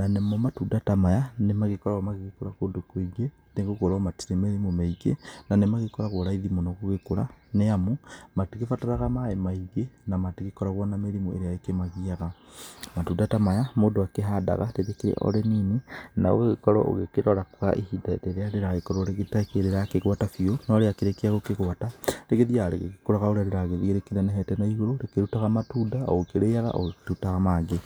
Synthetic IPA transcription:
nanemɔmatudatamajanemaɣekɔɾaamaɣeɣekoɾakodokoiɡe | neŋɡokoɾɔmati̥ɾemeðimomaiɡḛnanemaɣekɔɾaɣwoɾaiðimonɔɣoɣekoɾa̰neamumatiɣefataɾaɣamaemaiɣenamatiɣekɔɾaɣwanameɾimoeɾeaekemaɣiaɣamatudatamajamoːndoakeɦada̰ɣaɾeɾekeɾḛʔɔ̰ɾeninena̰o̰ɣeɣekɔɾɔ̰ʔo̰ɣekeɾɔɾakoɣa̰ʔehidaḛɾeɾeaɾeɾaɣekɔɾɔɾeɣetakeɾeɾakeɣwatafionɔɾeakeɾekeaɣokeɣwataɾeɣeðiaɾḛɣeɣekoɾaɣaoɾeaɾeɾaɣeðiɣeɾekenanɛɦɛtɛnaiɣoɾoɾekeɾutaɣamatuːdao̰ɣokeɾeaɣa̰ʔo̰ɣkeutaɣamaɡe

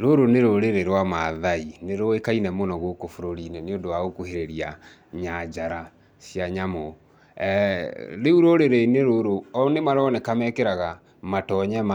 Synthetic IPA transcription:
ɾoɾoneɾoɾeɾeɾwamaðaineɾoekainɛmonɔɣokofoɾoɾinɛneondowaɣokuɦeɾeɾia | ɲad͡ʒaɾa | sjaɲamɔ | ɾeuɾoɾeɾeneɾoɾoɔnemaɾɔnɛkamɛkeɾaɣa | matɔɲɛma

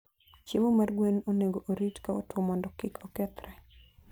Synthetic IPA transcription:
t͡ʃemomarɡwenoneɡoʔoɾitkao̰twomɔndɔkɪkʰɔkɛt̪ɾɛ

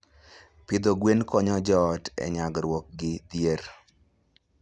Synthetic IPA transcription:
pɪd̪oɡwenkɔɲɔd͡ʒɔtɛ̰ɲaɡɾwɔk̚ɡɪd̪jer

